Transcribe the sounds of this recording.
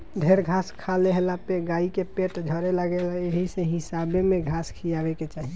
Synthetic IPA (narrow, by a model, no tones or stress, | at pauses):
ɖʱeɾɡʱaskʰaleɦelapeɡaikepeʈd͡ʒʱəɾeləɡelaeɦiseɦisabemeɡʱaskʰijabeket͡ʃaɦi